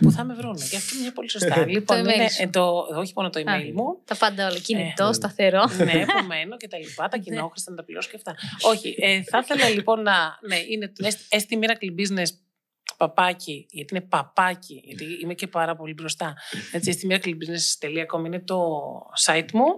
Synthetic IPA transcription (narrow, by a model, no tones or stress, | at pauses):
puθɐme̞vɾuneceɐft̪oinemɲɐpo̞liso̞st̪ɐlipoinmnet̪ooçimo̞not̪oimeilmut̪ɐpɐnd̪ɐolɐinit̪ost̪ɐθeɾonepome̞noce̞t̪ɐlipɐt̪ɐcinnooxɾist̪ɐnɐt̪ɐpliɾoso̥ceft̪ɐo̞çḭʔeθɐθe̞lɐlipo̞nːɐneinet̪nesest̪imiɾɐklibizne̞s | pɐpɐciʝɐt̪iine̞pɐpɐciʝɐt̪iimece̞pɐɾɐpo̞libɾost̪ɐet͡siest̪imiɾɐklibiznest̪eliɐko̞mɐinet̪o̞sɐit̪mu